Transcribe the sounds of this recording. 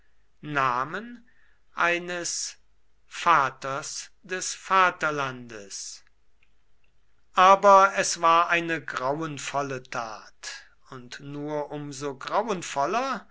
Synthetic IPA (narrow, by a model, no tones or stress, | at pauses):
naːmən | ʔaɪnəs | faːtɐs | d̥ɛsfaːtɐlandəs | ʔaːbɐɛsv̥aːɐʔaɪnəɡʁawʊənfɔlətʰaːt | ʊntnuːɐʔʊmzoɡʁawənfɔlɐ